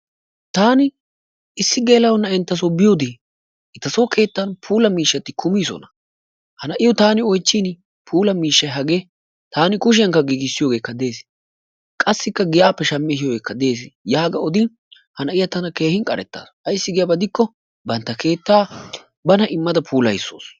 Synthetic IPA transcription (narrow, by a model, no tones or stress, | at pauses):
t̪aːnɪ | ɪsːɪɡeːlɐwɔnːɐɪnt̪ːɐs̬obɪjoːd̪ɪ | ɛt̪ːɐsoːkʰe̞ːt̪ːɐnpʰuːlɐmiːʃːɐt̪ːɪkʰʊmiːsɔ̰nɐ | hɐnɐʔɪjɔt̪aːnɪɔjt͡ʃːiːn | pʰuːlɐmiːʃːɐjɦɐɡeː | t̪aːnɪkʊʃɪjɐŋkːɐɡiːɡɪsːɪjoɡe̞ːkːɐd̪e̞ːs | kʼɐsːɪkːɐɡɪjaːpːɛʃɐmːɛhɪjoːɡeːkːɐd̪e̞ːs̬jaːɡɐɔd̪ɪ | hɐnɐʔɪjɐt̪ɐnɐke̞ːhɪnkʼɐɾɛ̰t̪ːa̰ːsɐjsːɪɡɪjɐbɐd̪ɪkːɔ | bɐnt̪ːɐkʰe̞ːt̪ːaː | bɐnɐʔɪmːɐd̪ɐpʰuːlɐ̰jsːo̰ːs